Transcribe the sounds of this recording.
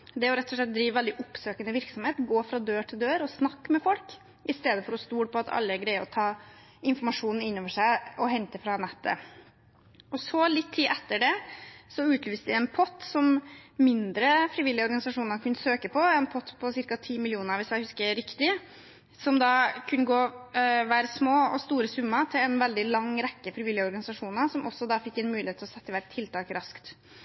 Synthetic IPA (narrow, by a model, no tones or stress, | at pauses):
d̪ɛɔɾɛt̪ːɔʂ̬ɭɛt̪̚d̪ɾiːʋʋɛld̪ɪʔɔpːsøːkənəʋɪɾksɔmheːt̪ɡoːfɾɑd̪øːʈʰɪld̪øːɾɔsnɑkːmɛfɔlk | ɪst̪eːd̪əfɔɾɔst̪uːɽpʰɔɑt̪ʰɑ̰lːəæɡɾæɪəɾɔt̪ʰɑː | ɪnfɔɾmɑʂuːnn̩ɪnːoːʋəʂæɪɔɦɛnt̪əfɾɑnɛt̪ːə̰ | ɔsɔlɪt̪ʰːiːʔɛt̪ːəɖɛsɔʉːt̪lyːst̪d̪ɪɛnpʰɔt̪ːsɔmmɪnd̪ɾəfɾɪːʋɪlːɪəɔɾɡɑnɪsɑʂuːnəkʰʉnːəsøːkəpɔɛnpʰɔt̪ːpʰɔsɪɾkɑt̪ʰiːmɪlɪuːnəɾʋɪsjæɪhʉskəɾɪkt̪ɪ | sɔmd̪ɑkʰʉnːəɡoːʋæːɾsmoːɔst̪uːɾəsʉmːət̪ʰɪlɛnʋɛld̪ɪlɑŋːɾɛkːəfɾɪʋɪlːɪəɔɾɡɑnɪsɑʂuːnəsɔmɔsːɔd̪ɑfɪkːɛnmʉːlɪhet̪ʰɪlɔsɛt̪ːəʋæʈ̚t̪ʰːɪlt̪ʰɑːkɾɑskt̪